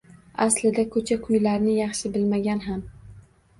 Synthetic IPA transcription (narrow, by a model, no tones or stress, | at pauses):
aslɪd̪akʰɵt͡ʃʰakʰʊjlaɾnɪjɑχʃɪbɪlmaɡʲanɦam